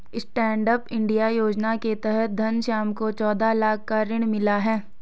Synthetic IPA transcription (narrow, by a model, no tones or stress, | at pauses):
ɪsʈɛ̃ːɳɖəpɪ̃ɳɖijajoːd͡ʒnaket̪ɛɦət̪̚d̪ʱɐnʃaːmkot͡ʃɔːd̪alaːkʰːaɾɪɽ̃mɪlaɦɛː